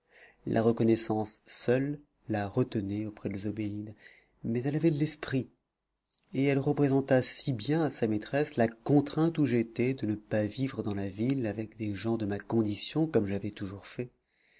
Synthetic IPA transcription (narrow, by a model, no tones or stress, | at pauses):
lʔa̰ʁəkɔnɛsɑ̃sːœlː | aʁət̪ənɛopχɛd̪əlezobeid̪ | mɛzɛlavɛd̪əlɛspχi | eɛlʁəpχezɑ̃t̪asibjɛ̃asamet̪χɛslakɔ̃t̪χɛ̃t̪uʒet̪ɛd̪ənəpavivʁəd̪ɑ̃lavilavɛkd̪eʒɑ̃d̪əmakɔ̃d̪isjɔ̃kɔmʒavɛt̪uʒuʁfɛ